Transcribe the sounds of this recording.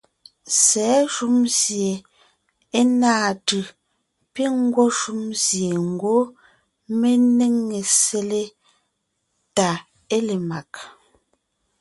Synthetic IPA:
sɛː˨˦ʃu˦mzje˨ | e˦naː˦˨tɯ˨ | pi˦ŋ̩˦ɡwɔ˦ʃu˦mzje˨ŋ̩˨ɡwo˦ | me˦ne˦ŋːe˨se˦le˦ | ta˨ | e˦le˨ma˨k

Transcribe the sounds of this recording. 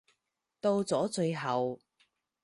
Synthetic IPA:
t̪o˧wt͡sɔː˨˥t͡sɵ˧ɥɦɐ˨w

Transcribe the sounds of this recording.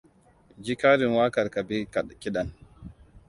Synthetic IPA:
d͡ʒi˦kaː˦ɾi˨nwaː˦ka˨ɾka˨bi˦kki˦ɗa˨n

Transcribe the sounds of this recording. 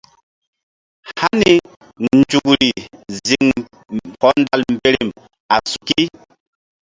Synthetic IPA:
ha˦ni˨ | nn˨d͡ʒu˨kɾi˨zi˨ŋ | hɔ˨˦nda˦˨lm̩˨be˦ɾi˨m | a˨su̥˨ki˦

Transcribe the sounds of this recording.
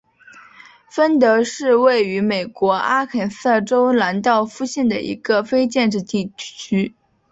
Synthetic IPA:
fə˥nt̪ɤ˧˥ʂɻ̩˥˧we˥˩ɪy˧˥me˨˩ɪkwɔ˧˥a˥kʰə˨˩nsɤ˥˩ʈ͡ʂo˥ʊla˧˥nt̪ɑ˥˩ʊfu˥˧ɕjɛ˥˩nd̪ə̰˩ʔḭ˧˥ɡ̥ə˧fe˥ɪt͡ɕjɛ˥˧nʈ͡ʂɻ̩˥˧t̪i˥˩t͡ɕʰy˥

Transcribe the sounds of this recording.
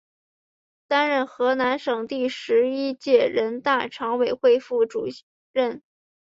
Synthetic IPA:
t̪a˥nɻə˥˩nxɤ˧˥na˧˥nʂɤ˨˩ŋt̪i˥˩ʂɻ̩˧˥i˥t͡ɕjɛ˥˩ɻə˧˥nt̪a˥˩ʈ͡ʂʰɑ˧˥ŋwe˨˩ɪxwe˥˧ɪfu˥˩ʈ͡ʂṵ˨˩ | ɻə˥˩n

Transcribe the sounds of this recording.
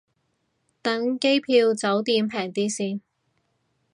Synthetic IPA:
t̪ɐ˨˥ŋke˥jpʰiː˧wt͡sɐ˨˥wt̪iː˧mpʰɛː˨˩ŋt̪iː˥siː˧n

